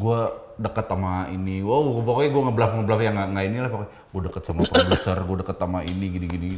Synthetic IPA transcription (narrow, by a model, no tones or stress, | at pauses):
ɡua | dəkət̪ːamainiwawəpakojɡuaŋabəlafŋəbəlafjaŋaŋainilahpak | ɡuadəkət̪̚samapədusərɡuadəkət̪ːamainiɡiniɡini